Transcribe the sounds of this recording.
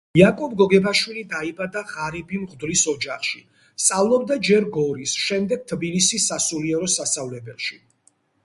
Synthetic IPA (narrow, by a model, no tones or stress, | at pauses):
jakʼɔb̚ɡɔɡɛbaʃwilid̪aibad̪aʁaɾibimʁd̪lisɔd͡ʒaχʃi | st̪sʼavlˠɔb̚d̪ad͡ʒɛɾɡɔɾisʃɛmd̪ɛɡ̥̚t̪ʰbilisisːasuliɛɾɔsast̪avlɛbɛlˠʃi